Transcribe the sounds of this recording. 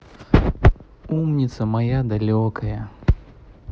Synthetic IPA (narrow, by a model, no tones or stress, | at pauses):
umnʲit̪sɐmajad̪alʲɔkɐjɐ